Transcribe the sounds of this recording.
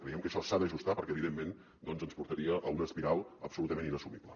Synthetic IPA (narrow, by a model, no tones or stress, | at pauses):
kɾəiɛəmkəʃɔsaðəʒust̪apəɾkɛːβiðemːen | d̪ɔnzənspuɾt̪əɾiəʔəunəspiɾalˠəpsulut̪əmeninəsumiblə